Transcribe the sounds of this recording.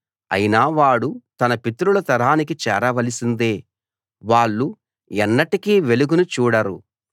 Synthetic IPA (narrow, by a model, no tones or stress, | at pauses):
ɐ̰jinaːʋaːɽut̪ɐnɐpit̪ɾulɐt̪ɐɾaːnik̬it͡ʃɛːɾɐʋɐlisind̪e̞ː | ʋaːɭːu | ɛnːɐʈikiːʋe̞luɡunut͡ʃuːɽɐɾu